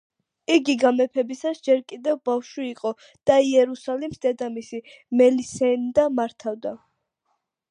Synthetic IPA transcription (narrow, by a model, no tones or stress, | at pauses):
iɡiɡamɛpʰɛbisasd͡ʒɛɾkʼid̪ɛvbafʃwiːqʼɔ | d̪̥aiɛɾusalimsd̪ɛd̪amisi | mɛlisɛnd̪amaɾt̪ʰavd̪a